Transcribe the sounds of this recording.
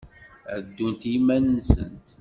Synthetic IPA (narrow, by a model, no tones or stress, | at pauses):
æd̪ːunt̪jimːænənsə̰nt̪